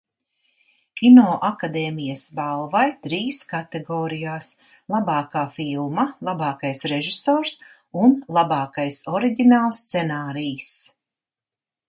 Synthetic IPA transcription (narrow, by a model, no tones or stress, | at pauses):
kʲinɔːʔakad̪eːmijasbalˠvajt̪ɾiːskat̪eɡɔːɾijaːs | lˠabɑːkaːfilˠmalˠabɑːkajsɾeʒisoːɾs | unlˠabɑːkajsɔɾiɡʲinaːlˠst̪sɛnaːɾijs